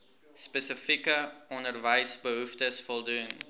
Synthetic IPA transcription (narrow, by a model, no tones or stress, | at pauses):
spəsəfikəɔndərvəjsbəɦuftəsfɔlˠdun